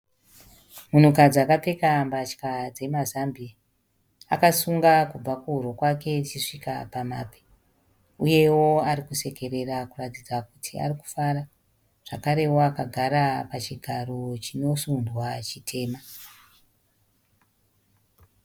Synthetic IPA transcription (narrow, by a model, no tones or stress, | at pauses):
mun̤ukad͡ziakape̞kambat͡ʃkad͡ze̞mazambia | akasuŋɡakub͡vakuurokwake̞t͡ʃiʂika̰pamaːpe̥ | uje̞wo̞aɾikuse̞ke̞ɾe̞rakuratid͡zakutʰia̰riku̥faɾa | ʐ̥akaɾe̞woakaɡʱaɾapat͡ʃiɡʱaro̞t͡ʃino̞sundwat͡ʃitʰe̞ːma